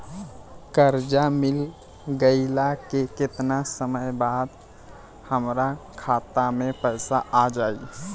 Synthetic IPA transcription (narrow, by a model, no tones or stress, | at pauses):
kəɾd͡ʒamɪl | ɡəɪlakekɪt̪nasəməjbaːd̪ | həmɾakʰaːt̪amẽpəɪsaʔad͡ʒaːi